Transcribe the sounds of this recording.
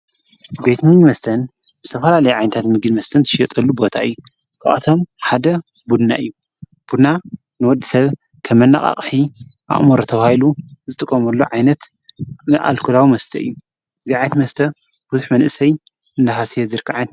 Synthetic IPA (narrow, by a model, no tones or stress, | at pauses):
be̞jt̪mɨɡnimɐst̪ʰɐn | ɨst̪ʰɐfɐlalɐjiʕajnɐt̪ʰat̪mɨɡnmɐst̪ʰɐnt̪ʰɨ̥ʃjɐt̪ʼɐlːubo̞t̪ʰaɨjːu | kʰa̰ʔat̪ʰo̞mħad̪ɐbud̪na̰ʔɨjːu | b̥ud̪na | nɨwɔd̪ːisɐβ | kʰɐmːɐnːa̰χʼa̰χʼħiʔa̰ʔʼmoɾot̪ʰɐβahiluzɨt̪ʼɨkʼːɐmɐlːo̞ʕajnɐt̪ | nɨʔa̰lkʰulawimɐst̪ʰɐ̰ʔɨ̰jːu | ɨziʕajnt̪mɐst̪ʰɐ | b̥uzuħmɐnʔɨsɐj | ɨnd̪aɦasijɛzɨɾkʰaʕajnt̪